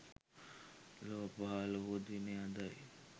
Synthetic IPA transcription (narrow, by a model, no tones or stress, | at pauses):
lopaɦaləɦod̪inead̪aj